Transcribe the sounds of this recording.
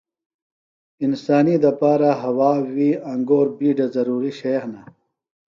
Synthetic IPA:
insaːnid̪ɐpaːɾaɦɐwaːwiɐŋɡoːɾbiːɖezɐɾuːɾiɕeːxna

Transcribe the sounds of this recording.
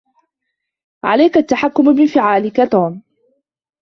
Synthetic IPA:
ʕa̰lajkat̪ːaħakːʊmbɪfɪʕaːlɪkat̪oːm

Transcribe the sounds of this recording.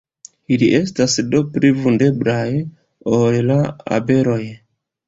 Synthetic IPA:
iliʔe̞stasdo̞pɾivunde̞blaj | ollaa̰be̞ɾo̞j

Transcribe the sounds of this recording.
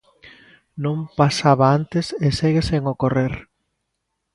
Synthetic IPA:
nõmpasaβaant̪ɪseseɣeseŋokoreɾ

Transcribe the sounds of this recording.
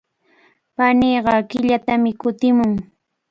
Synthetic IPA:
paneːɢɑkɪʎat̪amɪkʊt̪ɪmʊŋ

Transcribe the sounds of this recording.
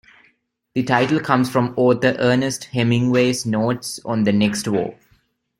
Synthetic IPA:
d̪̥iʈaɪʈəl̩kʰʌ̃msfɾɔ̃mɔːt̪ʰəɾʔəːnesʈhɛmɪ̃ŋweːsnoːʈsɔ̃nd̪əneksʈʋo̰ː

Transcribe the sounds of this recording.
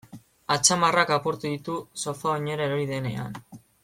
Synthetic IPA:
at͡samarakapoɾt̪uðit̪usoθaoɲeɾaɾojðe̞ne̞a̰n

